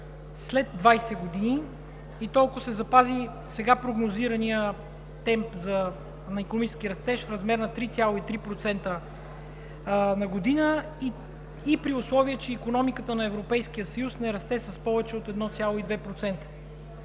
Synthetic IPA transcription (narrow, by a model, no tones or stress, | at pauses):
slɛd̪ːvajsɛɡod̪ini | it̪ɔlˠkʊsɛzɐpazi | sɛɡapɾoɡnoziɾɐnijə | t̪ɛmpzɐ | nɐikonomit͡ʃɛ̥sk̟ʲiɾɐst̪ɛʃfɾɐzmɛɾnɐt̪ɾit̪sʲjalˠoit̪ɾipɾot̪sɛnt̪ə | nɐɡod̪inə | iː | pɾiʊslˠɔviət͡ʃɛikonɔmikət̪ənɐɛvɾopɛjsk̟ijəsɐjusnɛɾɐst̪ɛsɐspɔvɛt͡ʃɛot̪ɛd̪nɔt̪sʲjalˠoid̪vɛpɾot̪sɛnt̪ə̥